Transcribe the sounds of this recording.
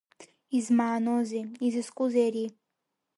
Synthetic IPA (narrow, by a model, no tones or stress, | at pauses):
izmaːnoziizɨskʷʼuzeɾi